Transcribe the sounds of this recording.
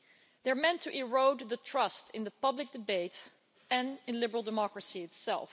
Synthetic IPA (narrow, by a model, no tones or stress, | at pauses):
ðə˞mɛ̃ntʰɨʔɪɹoʊd̪ðɨtʰɹ̥ʌstɪ̃nðəpʌblɨk̚d̥ɨbeɪt | ɨ̃nɪ̃nlɪbə˞l̩ˠdəmɑkɹɨsiɨtsɛ̰lˠf